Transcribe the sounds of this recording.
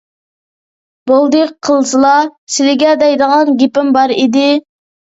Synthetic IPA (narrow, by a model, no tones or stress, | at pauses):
bolˠd̪əqqʰːəlˠsɨlˠɑsɪlɪɡʲɛd̪ɛjd̪əʁɑnɡʲepɪmbɑɾid̪ɪ